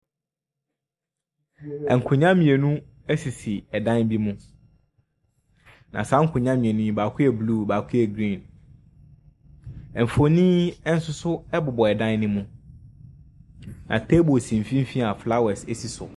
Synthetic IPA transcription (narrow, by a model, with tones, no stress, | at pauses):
ɛ˨ŋ̩˨kʰʊ̃˨ɲã˦mĩ˨e˨nũ˦ | ɛ˦si˨si˨ɛ˨dã˦n˦bi˦mũ˦ | nã̰˨sa˨˦ŋ̩˦kʰʊ̃˨ɲã˦mĩ˨e˨nũ˦ĩ˦ba˨kʰʊ˦ɛ˨bluː˦˨baː˨kʰʊ˦ɛ˨ɡɾĩ˦˨n | ɛ˨m̩˨fo˨nĩː˦ɛ˦n̩˦sʊ˦sʊ˦ɛ˦bʊ˨bɔ˨ɛ˨dã˦nː˦ɪ̃˦mũ˦ | nã̰˨tʰe˦bo˨sĩ˨m̩˨fĩ˦m̩˦fĩ˦a˨fla˦wɛ˨sɛ˨si˨sʊ̰˨